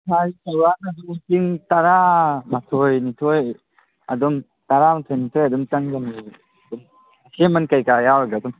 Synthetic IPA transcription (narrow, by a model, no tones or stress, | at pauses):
sʰaɾisaɾanadumkiŋtaɾamatʰɔjnitʰɔj | ɐ̰dɔm | taɾamatʰɔjnitʰɔjadumt͡ʃaŋzani | ɐdum | asemɐnkajkajawaɡaːdɔm